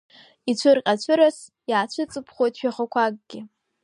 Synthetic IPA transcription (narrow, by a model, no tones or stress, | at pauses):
it͡ɕʷʰɨrqʲʼat͡ɕʷʰɨɾas | jaːt͡ɕʷʰɨt͡sʼɨpʰχʷo̞jtʰʼʃᶣaχəkʷʰaɡ̚ɡ̥ʲɪ